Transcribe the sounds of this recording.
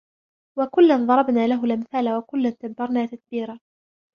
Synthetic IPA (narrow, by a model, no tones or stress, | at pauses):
wakʊlːanðˤɑɾˤɑbnaːlaɦʊlʔamθaːlawakʊlːant̪abbɑɾˤnaːt̪ak̪̚biːɾaː